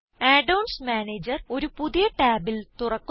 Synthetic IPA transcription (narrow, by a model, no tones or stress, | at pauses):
aɖɐwɳsmaːneːd͡ʑɐro̞ɾupuðijɐʈaːbilt̪urɐkː